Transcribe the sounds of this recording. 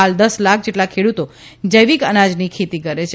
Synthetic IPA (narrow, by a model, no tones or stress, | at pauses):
ald̪əslakʰd͡ʒeʈlakʰeɽut̪o | d͡ʒəjʋikənad͡ʒnikʰet̪ikəɾet͡ʃʰe